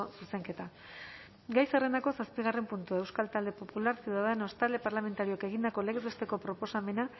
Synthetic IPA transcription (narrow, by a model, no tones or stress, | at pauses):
suse̞ŋke̞t̪a | ɡajsare̞nd̪ako̞saspiɣ̞are̞mpunt̪uaewskalt̪ald̪e̞po̞pulaɾsiuðaðeno̞st̪ald̪e̞paɾlame̞nt̪aɾio̞ke̞ɣ̞ind̪ako̞leɣezβest̪e̞ko̞pɾo̞po̞same̞na